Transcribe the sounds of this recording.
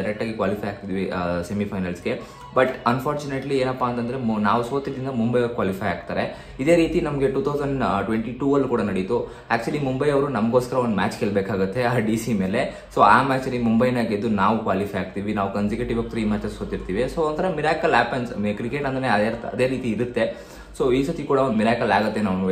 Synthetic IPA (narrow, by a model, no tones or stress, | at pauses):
ɐɾek̚ʈaːɡikʋaːlifʰɐjaːk̚t̪id̪iʋisemipʰɐjnɐlsɡe̞ | bɐʈɐnfʰaːɾt͡ʃuneʈlieːnɐpːaːnt̪ɐnd̪ɐɾenaːʋusoːt̪id̪ɾind̪ɐmumbɐjɐkːʋaːlifʰɐjaːɡ̚t̪aːɾe̞ | id̪e̞ːɾiːt̪inɐmɡe̞ʈuːt̪ʰɐwzɐɳɖʈʋeɳʈiʈuːɐlːukuːɽɐnɐɽit̪u | æːk̚t͡ʃuɐlimumbɐjɐʋɾunɐmɡo̞ːskɐɾɐond̪mæːt͡ʃkeːɭbeːkaːɡut̪ʰːe̞aːɖisime̞ːle̞ | so̞aːmæːt͡ʃɐlimumbɐjnaːɡid̪ːunaːʋukʋaːlifʰɐjaːɡ̚t̪iʋinaːʋukɐnsikjuʈiʋɐk̚t̪ɾiːmaːt͡ʃɐsoːt̪iɾt̪iːʋisoːont̪ʰɐɾɐmiɾaːkɐlɦaːpɐnsekɾikeʈɐnd̪ɐneɐɾɐd̪e̞ːɾiːt̪iːɾut̪ːe̞ | so̞ːiːsɐt̪ikuːɽɐond̪umiɾaːkɐlaːɡut̪ːe̞naːʋnu